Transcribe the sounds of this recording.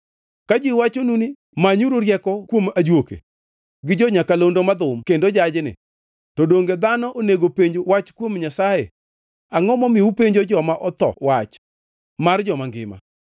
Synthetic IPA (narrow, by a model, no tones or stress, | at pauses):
kad͡ʒiwat͡ʃonuni | maɲuɾoɾjɛkɔkwomad͡ʒwokḛ | ɡɪd͡ʒɔɲakalondomad̪ʊmkendod͡ʒad͡ʒɪnɪ̰ | tɔdoŋɡed̪anɔʔoneɡopeɲd͡ʒowat͡ʃkwomɲasajḛ | aŋɔmɔmɪupeɲd͡ʒod͡ʒɔmaʔɔt̪ɔ̰wat͡ʃ | mard͡ʒɔmaŋɡɪ̰ma̰